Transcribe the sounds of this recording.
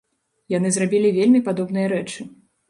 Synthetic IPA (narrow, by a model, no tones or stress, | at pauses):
janɨzrabʲilʲivʲelʲmʲipad̪ɔbnɨjɐɾɛt͡ʂɨ